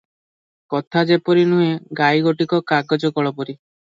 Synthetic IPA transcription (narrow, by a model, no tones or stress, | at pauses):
kɔt̪ʰad͡ʒepɔɾinuɦeɡajɡoʈikɔkaɡɔd͡ʒɔkɔɭɔpɔɾi